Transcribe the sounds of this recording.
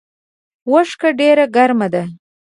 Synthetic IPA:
wəʂkaɖeɾaɡaɾmad̪a

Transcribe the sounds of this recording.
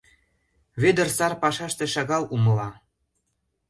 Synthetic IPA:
βed̪ə̆rsɑrpɑʃɑʃt̪ĕʃɑɣɑlumɤlɑ

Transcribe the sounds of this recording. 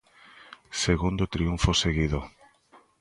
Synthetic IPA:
seɣund̪ot̪ɾiuɱfoseɣiðo

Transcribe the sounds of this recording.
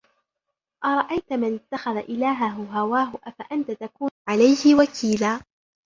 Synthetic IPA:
ʔɑɾˤɑʔajt̪mɪnɪt̪ːaxaðaʔɪlaːɦaɦʊɦawaːɦʊʔafaʔant̪at̪akuːnʕalajhɪwakʰiːlaː

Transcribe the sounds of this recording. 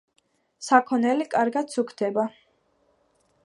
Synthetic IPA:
sakʰɔnɛlikʼaɾɡat̪sukʰd̪ʰɛba

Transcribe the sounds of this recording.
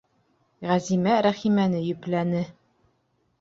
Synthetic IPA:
ʁæzimæɾæχimænɘjɵ̆plænɘ

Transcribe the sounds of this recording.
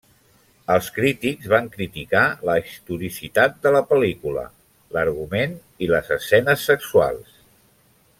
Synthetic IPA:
əlˠskɾit̪iɡzβaŋkɾit̪ikaləːst̪uɾisit̪at̪̚d̪ələpəlikulə̰ | ləɾɣumen | iləzəsːɛnəsːəksua̰lˠs

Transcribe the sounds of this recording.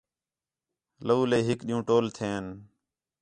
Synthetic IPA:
ləuːleːɦɪkɗiːũːʈoːlt̪ʰeːn

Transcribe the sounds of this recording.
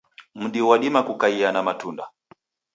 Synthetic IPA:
m̩ɗiwaɗimakukaianamatunda

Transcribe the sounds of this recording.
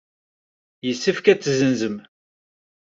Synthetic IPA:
jəsːəfkæt͡sːzənzəm

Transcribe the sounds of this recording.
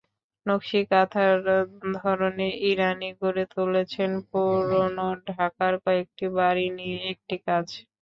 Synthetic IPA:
nokʃikat̪ʰaɾd̪ʱɔɾoneʔiɾaniɡoɾet̪ulet͡ɕʰenpuɾonoɖʱakaɾkɔek̚ʈibaɾinijeek̚ʈikad͡ʑ

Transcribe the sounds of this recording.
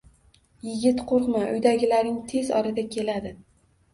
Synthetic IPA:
jɪɡʲɪt̪qʰoɾqmaʔʊjd̪aɡʲɪlaɾnɪŋt̪ʰe̞zɒ̰ɾad̪akʲʰe̞lad̪ɪ

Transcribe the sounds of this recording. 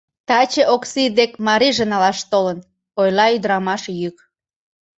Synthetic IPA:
t̪ɑt͡ɕeʔoksid̪ekmɑɾiʒənɑlɑʃt̪olən | ojlɑyd̪əɾɑmɑʃjyk

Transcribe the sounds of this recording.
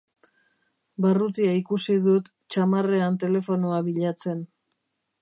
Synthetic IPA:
barut̪iaikusiðut̪ | t͡ʃamare̞ant̪e̞le̞fo̞noaβiʎat͡se̞n

